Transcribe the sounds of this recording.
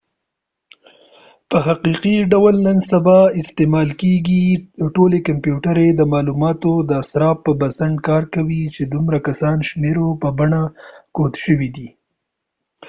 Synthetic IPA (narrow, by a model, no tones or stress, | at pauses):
pəɦaqiqiɖawalnənsabɑɪst̪emɑlkeɡiʈolekampjuʈaɾed̪əmɑlumɑt̪od̪əsɾɑpːəbasaɳɖkɑɾkawit͡ʃed̪umɾakasɑnʃmeɾopəbaɳakot̪ʃəwid̪i